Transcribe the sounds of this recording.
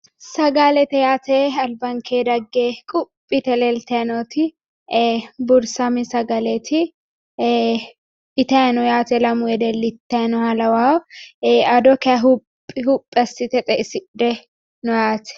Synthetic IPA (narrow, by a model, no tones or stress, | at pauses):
sɐɡalɛt̪ɛjaːt̪ɛɐlbɐŋkʰeːd̪ɐɡːekʼʊpʼːɪt̪ɛlɛlt̪ɐɐnɔt̪ʰɪ | bʊɾsɐmɪsɐɡɐlɛt̪ʰɪ | ɪt̪ɐɐnɔjaːt̪ɛlɐmʊjɛd̪ɛlːɪt̪ːɐnɔhɐlɐwaːw | ɐd̪ɔkɛɐɦʊpʼːɪɦʊpʼːɛsːɪt̪ɛt̪ʼɛʔɪsɪᶑɛ | nɔjaːt̪ɛ̥